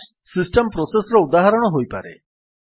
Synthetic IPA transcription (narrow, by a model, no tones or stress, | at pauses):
sisʈempɾosesɔɾɔud̪aɦaɾɔɽ̃ɔɦojpa̰ɾḛ